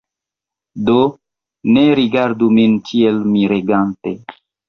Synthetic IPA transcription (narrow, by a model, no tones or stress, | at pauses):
do | neɾiɡaɾduminkʰielmiɾeɡante